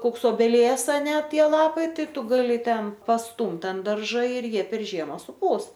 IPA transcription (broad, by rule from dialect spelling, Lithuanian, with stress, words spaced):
ˈkoːks oːbʲɛˈlʲiɛs ɐˈnʲɛ ˈtʲiɛ ˈlˠɑːpɐɪ ˈtɐɪ ˈtʊ ˈɡɑːlʲɪ ˈtʲɛn pɐsˈtʊmt ɐnt ˈdɐrʒɐ ɪr ˈjiɛ pʲɛr ˈʒʲiɛmɐ sʊˈpuːs